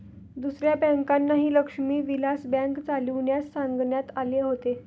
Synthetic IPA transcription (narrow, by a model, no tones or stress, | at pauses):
d̪usɾjabɛ̃ŋkanːaɦiːləkʂmiːʋilasbɛ̃ŋkt͡saliʋɳjasːãŋɡɳjat̪aleɦot̪e